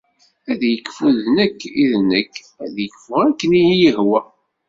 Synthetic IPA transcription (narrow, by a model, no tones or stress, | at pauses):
æðjəkːfuðnəkːiðnəkː | æðjəkːfʊækːənijijəhwæ